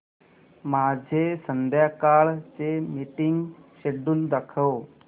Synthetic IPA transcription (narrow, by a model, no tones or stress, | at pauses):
mad͡ʑʱesənd̪jakaɭt͡ɕemiʈiŋɡɕeɖuːnd̪əkʰəw